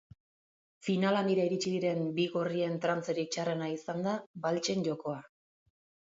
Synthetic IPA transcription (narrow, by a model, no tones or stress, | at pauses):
finalaniɾaiɾit͡ʃiðiɾe̞mbiɣorie̞nt̪ɾant͡seɾit͡ʃare̞naisand̪abalt͡ʃe̞nɟo̞ko̞a